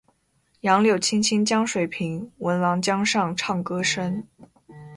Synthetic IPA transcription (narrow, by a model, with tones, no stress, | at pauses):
jɑ˧˥ŋljo˥˨˩ʊt͡ɕʰi˥nt͡ɕʰi˥nt͡ɕjɑ˥ŋʂwe˨˩ɪpʰi˧˥ŋwə˧˥nwɑ˧˥ŋt͡ɕjɑ˥ŋʂɑ˥˧ŋʈ͡ʂʰɑ˥˩ŋkɤ˥ʂə˥n